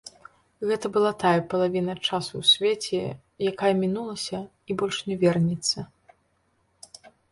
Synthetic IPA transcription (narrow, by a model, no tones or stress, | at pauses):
ɣɛt̪ɐbɨlˠat̪ajɐpɐlˠavʲinɐt͡ʂasuwsʲvʲeɛt͡sʲɛ | jakajɐmʲinulˠɐsʲɐ | ibɔlʲʂnʲɛvʲɛrnʲit̪sːɐ